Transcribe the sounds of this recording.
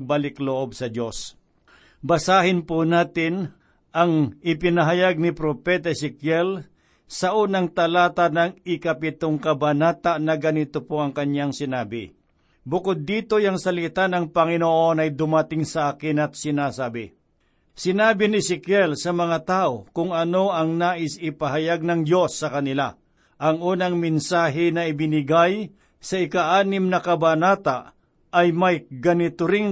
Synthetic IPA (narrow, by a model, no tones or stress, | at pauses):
ɡ̚balɪkloʔob̚sɐd͡ʒo̞s | bɐsaːhɪnpunaːt̪ɪn | ʔɐŋɪpɪnɐɦɐjaɡ̚nɪpɾopɛt̪ɐsɪkjɛl | sɐʔuːnɐŋt̪ɐlaːt̪anɐŋɪkɐpɪt̪oŋkɐbɐnaːt̪aʔnɐɡɐnit̪opoʔɐŋkɐɲjaŋsɪnaːbɪ̰ | bʊkod̪ːiːt̪o̞jɐŋsɐlɪt̪anɐŋpɐŋɪnoʔo̞nɐjd̪ʊmɐt̪ɪŋsɐʔaːkɪnɐt̪̚sɪnaːsaːbɪ̰ | sɪnaːbɪnɪsɪkjɛlsɐmɐŋat̪aːʔokʊŋɐno̞ʔɐŋnaːʔɪsɪpɐɦɐjaɡ̚nɐŋd͡ʒo̞sːɐkɐnɪla | ʔɐŋʔuːnɐŋmɪnsaːɦɪnɐɪbɪnɪɡaj | sɐɪkaʔaːnɪmnɐkɐbanaːt̪aʔ | ʔɐjmɐjɡɐnɪt̪ʊɾɪŋ